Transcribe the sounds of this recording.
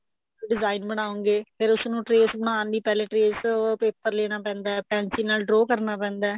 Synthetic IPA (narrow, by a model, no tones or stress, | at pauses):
oɖɪzaːinbəɽ̃aːõŋɡeːpʰɪɾʊsnũːʈɾeːsbəɳ̃aːnd̪iːpɛːleːʈɾeːspeːpəɾleːɽ̃aːpɛ̃ːnd̪aːpɛ̃ːnsĩːnaːlɖɾoːkəɾnaːpɛ̃ːnd̪aː